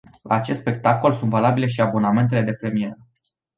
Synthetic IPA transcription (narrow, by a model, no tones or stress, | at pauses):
lʔa̰ːt͡ʃet̪spe̞k̚t̪ako̞lsunt̪valabile̞ʃiabo̞name̞nt̪e̞le̞d̪e̞pɾe̞mije̞ɾə